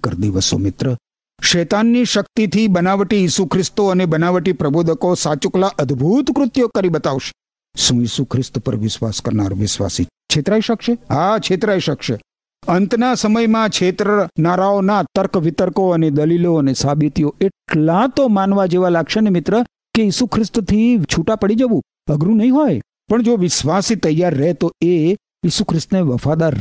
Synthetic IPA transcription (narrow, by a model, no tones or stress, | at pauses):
kəɾd̪iʋəso̰mɪt̪ɾə | ʃɛt̪anːiʃək̚t̪it̪ʰibənaʋəʈijisukʰɾɪst̪oənebənaʋəʈipɾəbod̪ʱəkosat͡ʃuklaʔəd̪bʱut̪kɾʊt̪jokəɾibət̪aʋʃe̥ | ʃũjisukʰɾɪst̪pə̰ɾʋɪʃʋa̰skəɾna̰ɾʋɪʃʋa̰si | t͡ʃʰet̪ɾaiʃəkʃeɦat͡ʃʰet̪ɾaiʃəkʃe | ənt̪nasəməjmãt͡ʃʰet̪ɾənaɾaonat̪əɾkʋɪt̪əɾkoəned̪əliloənesabit̪joeʈlat̪omanʋad͡ʒeʋalaɡʃenemɪt̪ɾə | kejisukʰɾɪst̪t̪ʰit͡ʃʰuʈapəɽid͡ʒəʋũ | əɡɾũnəɦĩɦoj | pəɳd͡ʒoʋɪʃʋasit̪əjːaɾːəɦet̪oe | jisukʰɾɪst̪neʋəfad̪aɾ